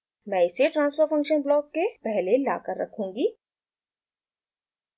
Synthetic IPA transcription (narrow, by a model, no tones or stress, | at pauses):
mɛ̃ːɪseʈɾãːnsfəɾfɐ̃ŋkʃənblɔːkːepɛɦlela̰ːkəɾːɐ̰kʰũːŋɡiː